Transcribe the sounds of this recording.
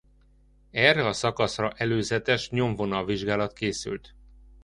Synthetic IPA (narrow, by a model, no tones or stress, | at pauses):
ɛrːɛɒsɒkɒsrɒʔɛløːzɛt̪ɛʃɲo̞ɱvo̞nɒviʒɡaːlɒt̪keːsy̰lt̪